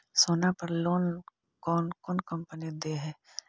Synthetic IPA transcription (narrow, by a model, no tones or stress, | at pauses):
soːnapɐɾloːn | kɔːnkɔːnkɐ̃mpənid̪eɦɛː